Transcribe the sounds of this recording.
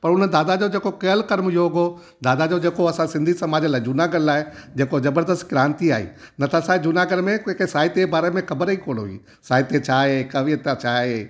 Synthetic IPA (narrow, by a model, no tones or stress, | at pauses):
pɐɾʊnəd̪aːd̪ad͡ʑod͡ʑeːkokɐjəlkɐɾmjoːɡo | d̪aːd̪ad͡ʑod͡ʑeːkoɐsãsɪ̃nd̪ʱisɐmaːd͡ʑəlaːɪd͡ʑʊnaːɡəɾlaːɪd͡ʑeːkozɐbəɾd̪əst̪ɡɪɾãːnt̪iaːɦḭːnɐt̪ʰasaːɪd͡ʑʊnaːɡəɾmẽkẽːkesaːɦɪt̪ebaːɾemẽxɐbəɾikʰoːlo̰ḭː | saːɦɪt̪et͡ɕʰaːɦekɐʋit̪at͡ɕʰaːɦe